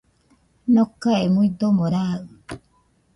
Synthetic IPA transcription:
nokːaemuid̪omoɾaɯ

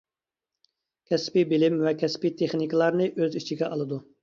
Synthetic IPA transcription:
kʲʰɛspibɪlɪmwɛkʲʰɛspit̪ʰeχniklˠɑɾnɨʔøzit͡ʃʰiɡʲɛʔɑlˠɨd̪u

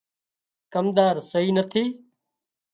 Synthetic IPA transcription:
kəmd̪aːɾsəɦiːnət̪ʰiː

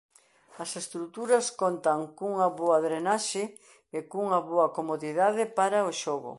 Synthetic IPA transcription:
ɐsest̪ɾut̪uɾɐskont̪ɐŋkuŋɐβoaðɾenaʃe | ekuŋɐβoɐkomoðiðaðɪpaɾɐoʃoɣʊ̰

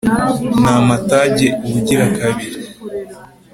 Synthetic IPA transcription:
naːmataɟeuβuɟiɾakaβiɾi

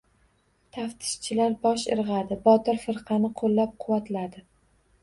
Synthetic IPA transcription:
t̪ʰaft̪ʰɪ̥ʃt͡ʃʰɪlaɾbɒʃɪ̰ɾʁɑd̪ɪbɒt̪ɪɾfɪɾqʰɑnɪqʰolːap̚qʰʊwat̪lad̪ɪ

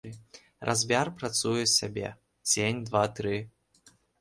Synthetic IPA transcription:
rʔazʲbʲarpɾat̪sujɛsʲabʲḛ | t͡sʲenʲd̪vat̪ɾɨ

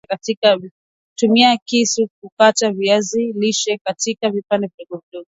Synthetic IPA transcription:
katikav | tumiakisuk̚ukataviaziliʃɛkatikavipandɛviɔɡɔviɗɔɡɔ

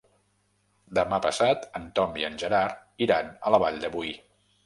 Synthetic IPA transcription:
d̪əmapəsat̪ənt̪ɔmbiənʲʒəɾaɾiɾanələβaʎd̪əβuj

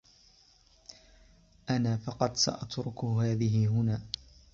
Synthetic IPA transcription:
ʔanaːfɑqɑd̪sa̰ʔat̪ɾʊkʊhaːðɪɦɪɦʊnaː

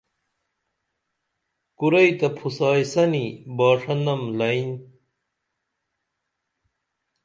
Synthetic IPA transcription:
kuɾɐjt̪ɐpʰusaːjsɐnibaːʂɐnd̪ɐmlɐin

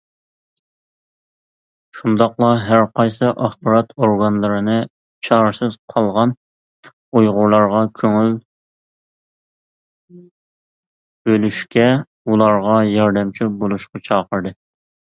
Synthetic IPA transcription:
ʃund̪ɑqlˠɑɦæɾqʰɑjsɨʔɑχbɑɾɑt̪ʰoɾɡɑnlˠɨɾɨnɨ | t͡ʃʰɑɾɨsɨz̥qʰɑlˠʁɑn | ujʁʊɾlˠɑɾʁɑkʲʰøŋyl | b̥ølyʃkʲɛ | ulˠɑɾʁɑjɑɾd̪ɛmt͡ʃʰibolˠuʃqɑt͡ʃʰɑːqəɾd̪ɨ

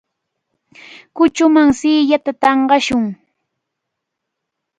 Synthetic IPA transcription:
kʊt͡ʃʊmaŋsɪːjat̪at̪ɑɴɢɑʃʊŋ

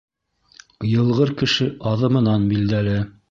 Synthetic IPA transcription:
jɤ̆lˠʁɤɾkɘ̆ʃɘʔɑðɤ̆mɤ̆nɑnbild̪ælɘ

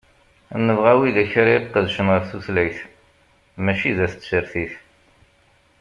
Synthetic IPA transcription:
nːəvʁæwiðæçɾiɾqːəðʃənʁəfθuθlæjθ | mæʃiðæθt͡s̪ːsəɾθiθ

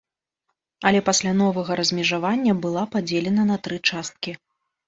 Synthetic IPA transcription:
ɐlʲɛpasʲlʲanɔvɐɣɐɾɐzʲmʲɛʐavanʲːɐbɨlˠapad͡zʲelʲɛnɐnɐt̪ɾɨt͡ʂast̪̚kʲi

